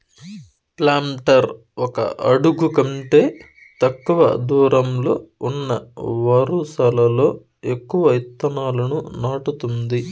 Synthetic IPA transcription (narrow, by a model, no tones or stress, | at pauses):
plaːmʈɐɾ | ɔkɐ̰ʔɐɽuɡukɐɳʈeː | t̪ɐkːuʋɐ̰d̪uːɾʔɐmlo̞ːunːɐ̰ʋɐɾuːsɐlɐlo̞ː | e̞kːuʋɐjit̪ːɐnaːlɐnunaːʈut̪und̪i